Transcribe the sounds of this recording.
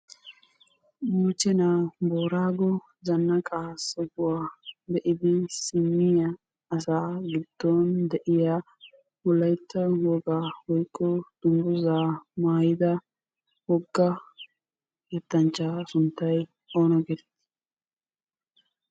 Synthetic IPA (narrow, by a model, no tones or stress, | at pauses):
mʊt͡ʃːɛnaboːɾaːɡɔ | zɐnːɐkʼaːsɔɡʊwaːbɛʔɪd̪ɪsɪmːɪjɐː | saːɡɪd̪̥ːɔnd̪ɛʔɪja | mɔlːɐjt̪ʰːɐwɔɡaːwɔjkʼːɔd̪̥ʊmbʊzaːmaːjɪd̪ɐ | wɔɡːɐ | ɡɛt̪ːɐnt͡ʃːasʊnt̪ːɐj | o̞ːnɔɡɛɾt̪ː